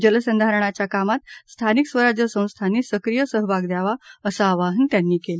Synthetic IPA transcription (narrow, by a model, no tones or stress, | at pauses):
d͡ʑələsənd̪ʱaɾəɳ̃at͡ɕjakamat̪̚st̪ʰaniksʋəɾad͡ʑjəsə̃w̃st̪ʰanːisəkɾijəsəɦbʱaɡd̪jaʋaəsaːʋaɦənt̪janːiːkel